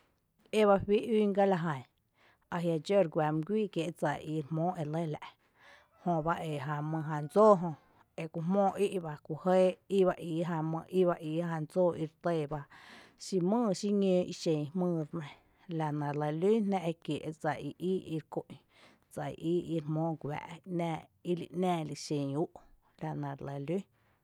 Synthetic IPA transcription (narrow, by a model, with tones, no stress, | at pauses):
e˦βa˧hi˦ʔiː˦ŋɡa˦la˧ɦã˨ | a˧ɦja˧d͡ʒo˦˨ɾɡʷa˨m˧ɡʷiː˦kje˨ʔd͡za˨ʔi˧ɾmõː˦ʔe˨le˦˨la̰˨ʔ | hõ˧ba˦ʔe˨ɦã˧mɨ̃˧ɦã˧˨nd͡zoː˦˨ɦõ˧ | e˧kʷu˧ɦmõː˦˨ʔi˦ʔba˧ku˧˨he˦i˦βa˧ʔiː˨ɦã˧mə̃˧ʔi˦ba˧ʔiː˧hã˧nd͡zoː˦˨ʔi˧ɾt̪eː˦˧˨ba˧ʃi˧mɨ̃ː˦˨ʃi˦ɲẽː˧ʔi˧ʃẽ˨˧hmɨ̃ː˦˧ɾnẽ˧ | la˨nã˨ɾlə˧˨liː˦nnã˧ʔe˧kje˨ʔt͡sa˨ʔi˨˧ʔiː˦i˧ɾkõ˧˨ʔ | d͡za˨ḭ˨ʔiː˦i˧ɾmõː˦ɡʷa̰ː˨ʔi˧ʔnæ̃ː˧i˧lḭ˧˨ʔnæ̃ː˦˧˨li˧˨ʃẽ˨uː˦ʔ | la˨nã˨ɾlə˧˨liː˦